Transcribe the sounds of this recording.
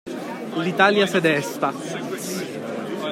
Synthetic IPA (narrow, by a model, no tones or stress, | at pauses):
lit̪aljasɛd̪ɛst̪a